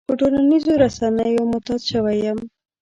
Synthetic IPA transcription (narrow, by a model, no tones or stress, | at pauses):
pəʈolanizoɾasanəjomʊt̪ɑd̪ʃəwajəm